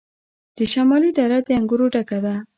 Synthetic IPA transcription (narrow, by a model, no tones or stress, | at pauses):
d̪̥əʃamɑlid̪aɾad̪əaŋɡuɾoɖaɡad̪a